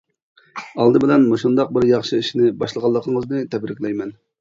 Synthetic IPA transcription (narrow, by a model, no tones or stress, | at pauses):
ɑlˠd̪ɨbɪlɛnmoʃund̪ɑq̚bɪɾjɑχʃɨiʃnɪbɑʃlˠəʁɑlˠːəqʰəŋəznɨt̪ʰɛbɾɪkʲlɛjmɛn